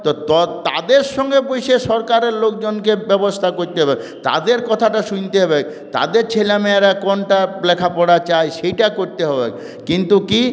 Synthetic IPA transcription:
t̪ot̪ɔt̪a̰d̪eɾʃɔŋɡepojʃeʃɔɾkaɾeɾlokd͡ʑonkebɛbost̪ʰakoɾt̪eɦɔbe | t̪a̰d̪eɾkɔt̪ʰaʈaʃunt̪eɦɔbe | t̪a̰d̪eɾt͡ɕʰelameaɾakɔnʈaplɛkʰapɔɽat͡ɕajʃejʈakoɾt̪eɦɔbḛ | kint̪uki

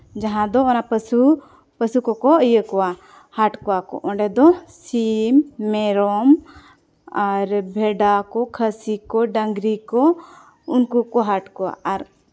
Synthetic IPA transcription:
d͡ʒaɦãd̪ɔɔnapəsu | pəsukɔkɔʔəjəkɔwa | haʈkɔwakɔ̰ʔɔ̃ɳɖɛd̪ɔsimːɛɾɔm | aɾbʱɛɖakɔkʰəsikɔɖəŋɡɾikɔ | unkukɔɦaʈkɔwa̰ʔaɾ

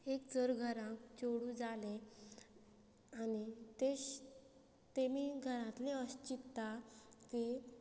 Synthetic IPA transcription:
ekd͡zəɾɡʱəɾãkt͡ɕoɽũd͡zale | anit̪eɕ | t̪emiːɡʱəɾãt̪leəɕt͡ɕit̪ːaki

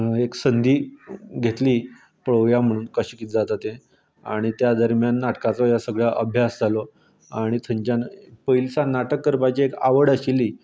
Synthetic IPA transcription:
eksənd̪ʱiːɡʱet̪liː | pəɭəʋjam̤əɽ̃uːnkəɕiːkit̪d͡zat̪at̪ẽ | a̰ɽ̃it̪jad̪əɾmjanːaʈkat͡sojasəɡɭjaʔəbʱjasd͡zʱalo | aɽ̃it̪ʰəɲt͡ɕanpəilsanaʈəkːəɾpajd͡ʑeekaʋəɽəɕiliː

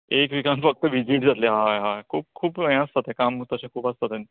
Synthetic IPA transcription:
ekʋikãnfək̚t̪əʋid͡ʑiʈd͡zat̪leɦãɦãkʰuːp̚kʰuːpəẽast̪at̪ɛ̃kamt̪əɕẽkʰuːpast̪at̪ɛ̃n

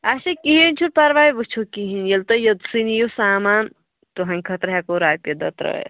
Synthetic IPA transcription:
aʃɐkiɦint͡ʃʰuɾpɐɾʋaːjʋut͡ʃʰukiɦinjɐlt̪ɐjɐd̪sinijusaːmaːn | t̪uɦɐ̃ŋʲkʰɐt̪ɾɐɦakoɾaːpjɐd̪ɐ̰t̪ɾɐ̰ḛ

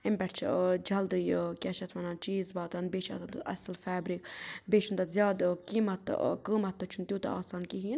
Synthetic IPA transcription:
ɪmbʲɛʈt͡ʃʰd͡ʒɐld̪ɨjkʲɛʃɐt̪ʰʋɐnant͡ʃiːzbaːt̪anbeːt͡ʃʰa̰ːt̪ant̪ɨɐ̰slfɛːbɾikbeːt͡ʃʰunt̪ɐzʲjaːd̪kiːmɐt̪kəːmɐt̪ːɨt͡ʃʰunt̪juːt̪ɐ̰aːsaːnkiɦin

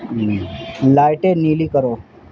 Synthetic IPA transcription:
lajʈeniːliːkəɾoː

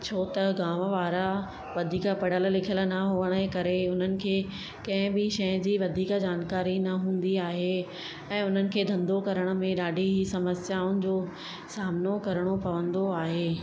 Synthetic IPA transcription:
t͡ɕʰoːt̪ɐɡaːməʋaːɾa | ʋɐd̪ʱiːkapɐɽ̤əl̆lɪkʰələ̆nɐɦʊʋəɽ̃əkɐɾeʊn̤ənɪ̆kʰeː | kɐ̃ɦɪ̃bɪʃɐjə̃d͡ʑiːʋɐd̪ʱiːkd͡ʑaːnkaːɾinɐɦũːn̆d̪iaːɦe | ɛ̃ːʊn̤ənɪ̆kʰeːd̪ʱɐ̃nd̪okɐɾəɽ̃ə̆mẽɗaːɖʱiɦisɐməsjaːʊnɪ̆d͡ʑoː | saːmnokɐɾəɽ̃opɐʋə̃nd̪oaːɦeː

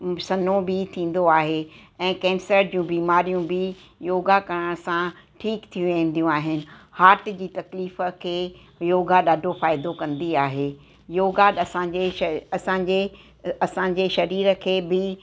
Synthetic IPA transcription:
sɐnõbɪt̪ʰĩːn̆d̪oaːɦeɛ̃ːkɛ̃ːmsəːʈ̚d͡ʑiũbiːmaːɾijũbɪ | joːɡakɐɾəɽ̃sã | ʈʰiːkt̪ʰijũʋẽn̆d̪ijũaːɦɪnɪ̆haːʈd͡ʑiːt̪ɐkliːfə̆kʰeː | joːɡaɗaːɖʱofaːɪd̪okɐ̃nd̪iaːɦeː | joːɡaɗɐsãd͡ʑeɐsãɲd͡ʑe | ɐsãɲ̆d͡ʑeʃɐɾiːɾə̆kʰeːbɪ

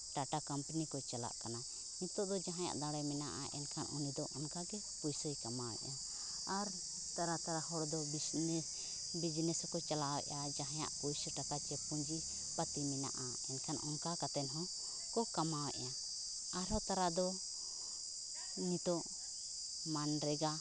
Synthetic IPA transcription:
ʈaʈakampanikɔt͡ʃala̰ʔkana | nit̪ɔʔd̪ɔd͡ʒaɦãja̰ʔd̪aɽɛjmɛnaʔa̰ʔɛ̰nkʰanʔunid̪ɔʔɔnkaɡɛ | pujsɔjkamawɛ̰ʔa | aɾ | t̪aɾat̪aɾahɔɽd̪ɔbinɛ | bid͡ʒnɛskɔt͡ʃalawɛ̰ʔad͡ʒaɦãja̰ʔpujsɔʈakat͡ʃɛpuɲd͡ʒi | pat̪imɛna̰ʔa | ɛnkʰanɔnkakat̪ɛnɦɔ̃ | kɔkamawɛ̰ʔa | aɾɦɔt̪aɾad̪ɔ | nit̪ɔʔ | manɾɛɡa

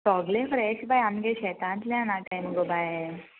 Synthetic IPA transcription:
sɔɡlefɾeɕbajamɡeɕɛt̪ãnt̪ljãnakajməɡobaj

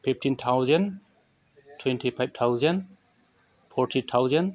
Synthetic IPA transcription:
pʰip̚ʰtʰintʰawzɛn | tʰwɛntʰipʰajb̚tʰawzɛn | pʰɔɾʈʰitʰawzɛn

